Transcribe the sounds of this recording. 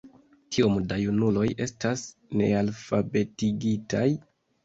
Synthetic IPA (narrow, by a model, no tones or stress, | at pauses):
tʰiomdajunulo̞je̞stasne̞alfabe̞tiɡitaj